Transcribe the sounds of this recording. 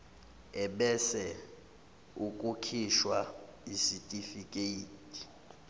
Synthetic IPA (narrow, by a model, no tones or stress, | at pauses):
ɛɓɛsɛ | ukʼukʰiʃwaisitʼifikʼeiːtʼi̥